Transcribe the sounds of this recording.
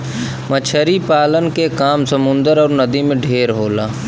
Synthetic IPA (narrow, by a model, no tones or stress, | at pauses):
mət͡ʃʰəɾipaːlənkekaːmsəmʊ̃nd̪əɾɔːɾnəd̪imẽɖʱeːɾɦoːlaː